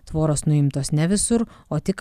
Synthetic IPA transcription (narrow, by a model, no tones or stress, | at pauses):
t̪ʋoːɾoːsnʊɪmt̪oːsnʲɛʋʲɪsʊɾoːt̪ʲɪk